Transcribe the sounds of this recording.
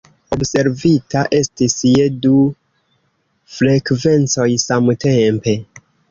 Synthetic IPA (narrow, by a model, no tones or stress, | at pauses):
o̞bse̞ɾvitaʔe̞stisjedu | fɾe̞kve̞nt͡so̞jsamte̞mpe̞